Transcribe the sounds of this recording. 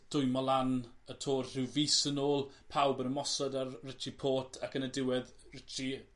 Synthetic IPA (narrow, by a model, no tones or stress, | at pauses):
d̥ʊɨmɔlˠan | ətʰoːrr̥ɪwviːsənoːlˠ | pʰawbənəmɔsɔdarrɪt͡ʃʰipʰoːtʰakənədɪwɛð | rɪt͡ʃʰi